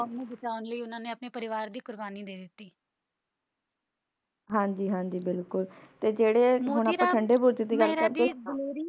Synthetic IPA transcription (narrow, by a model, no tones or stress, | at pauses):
nẽːbɪt͡ʃaːʋʊnləiːʊnãːneːəpneːpəɾɪʋaːɾd̪iːkʊɾbaːniːd̪eːd̪ɪt̪ːiː | ɦãːɲd͡ʒiːɦãːɲd͡ʒiːbɪlkʊlt̪eːd͡ʒeːɽeːɦʊɳ̃apːə̃t͡ʃʰəɳɖeːbʊɾd͡ʒəd̪iɡəlkəɾt̪eloːɾiː